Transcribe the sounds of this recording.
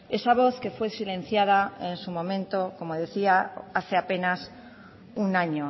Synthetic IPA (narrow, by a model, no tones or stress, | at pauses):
e̞saβ̞o̞θke̞fwe̞silẽ̞n̟θjað̞aensumõ̞mẽ̞nt̪oko̞moðe̞θiaaθe̞ape̞nas | unaɲo